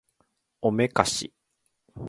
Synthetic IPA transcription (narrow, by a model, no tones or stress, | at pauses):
ome̞kaɕḭ